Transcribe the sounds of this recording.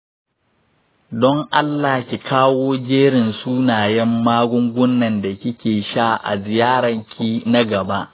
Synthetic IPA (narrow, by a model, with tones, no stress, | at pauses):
dɔ˦ŋʔa˦lːaː˨kʲi˨kʰaː˦woː˦d͡ʒeː˦ɽɪ˨nsuː˦naː˨jɛ˦mːaː˦ɡʷʊ˦ŋɡʷʊ˦nːɐ˨nda˨kʲɪ˦kʲeː˨ʃaː˦˨ʔa̰˨zɪ˨jaː˦ɽɐ˨ŋkʲʰiː˦na˦ɡɐ˨ba˦ʔ